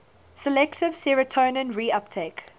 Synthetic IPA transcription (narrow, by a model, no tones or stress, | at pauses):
səlɛktɪv̥sɛɹətʰõːnə̃nɹiap̚tʰeɪk